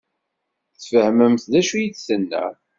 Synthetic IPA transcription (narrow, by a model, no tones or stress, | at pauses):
θfəhməmθðæʃujiθsənːæ̰